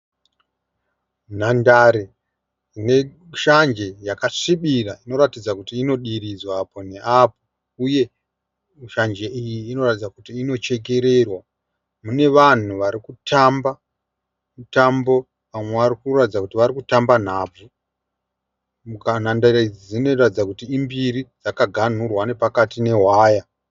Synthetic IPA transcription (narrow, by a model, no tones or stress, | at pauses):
n̤andaɾe | ine̞ | ʃand͡ʒe̞jakaʂiɓiraino̞ɾatid͡zakutiːno̞ɗirid͡zwaːpo̞ne̞ʔapo | uje̞ | muʃand͡ʒe̞ijiːno̞ratid͡zakutiːno̞t͡ʃe̞ɡe̞ɾe̞rwa | mune̞ʋan̤uʋaɾikutʰamba | mutambo̞ | ʋamwe̞ʋarikuratid͡zakutiʋaɾikutamban̤aːb͡vu | mukan̤andaɾaid͡zid͡zine̞ratid͡zakutiːmbiɾid͡zakaɡʱan̤urwane̞pakatine̞ɦwaːja